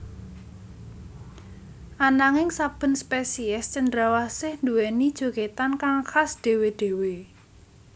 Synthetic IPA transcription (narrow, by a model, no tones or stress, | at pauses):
ʔanaŋɪŋsab̥ə̤nspesiɛst͡ʃənd̪ɾawasɪhnd̪uwɛnid̥ʒ̥o̤ket̪ankaŋxasd̪̥e̤weɖ̪̥e̤we